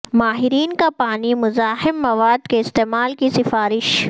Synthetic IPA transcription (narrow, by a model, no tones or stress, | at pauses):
maːɦɪɾiːnkapaːnimʊzaːɦɪmːɐʋaːd̪keɪst̪eːmaːlkisɪfaːɾɪʃ